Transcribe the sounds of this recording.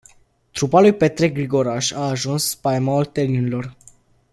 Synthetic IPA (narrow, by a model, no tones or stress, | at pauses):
t̪ɾupalujpe̞t̪ɾek̚ɡɾiɡo̞ɾaʃaːʒunspaemaolt̪elninilor